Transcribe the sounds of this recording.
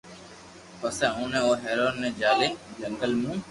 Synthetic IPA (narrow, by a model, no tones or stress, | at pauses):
pəsɛ̃ːũːnẽːoːɦɛːɾoːnːẽːd͡ʒaːleːd͡ʒəŋɡəlmũː